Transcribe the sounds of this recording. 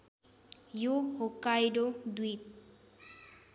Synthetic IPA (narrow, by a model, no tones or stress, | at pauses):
johokajɾod̪it